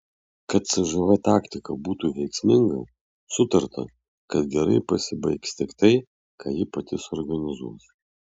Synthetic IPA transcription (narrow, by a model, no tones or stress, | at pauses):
kɐt̪sʲɛʒɐʋɐt̪ɑːkt̪ʲɪkɐbuːt̪uːʋʲɛɪksʲmʲɪŋɡɐ̰ | sʊt̪ɐɾt̪ɐ̰ | kɐt̪ɡʲɛɾɐɪpɐsʲɪbɐɪkst̪ʲɪkt̪ɐɪ | kʰaːjɪpɐt̪ʲɪsɔɾɡɐnʲɪzuɔs